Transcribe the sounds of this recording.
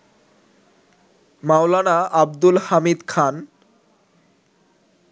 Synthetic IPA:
mawlanaab̚d̪ulhamid̪kʰan

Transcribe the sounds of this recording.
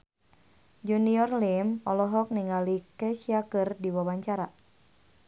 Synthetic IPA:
d͡ʒuniɔrlimɔlɔɦɔk̚niŋalikɛsiakɨrdiwawaɲt͡ʃaɾa

